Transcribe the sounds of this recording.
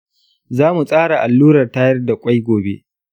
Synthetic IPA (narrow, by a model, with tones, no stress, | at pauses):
zaː˦mu˨sʼaː˦ɽa˨ʔa˨lːuː˦ɾɐ˨rta˦jɐ˦rda˨kʷʼa˦jɡʷoː˨bḛ˦ʔ